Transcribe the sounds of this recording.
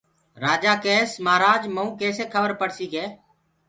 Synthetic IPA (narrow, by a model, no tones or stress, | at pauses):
ɾaːd͡ʒaːkeːsmaːɾaːd͡ʒməũːkeːseːkʰəʋəɾpəɽsiːkeː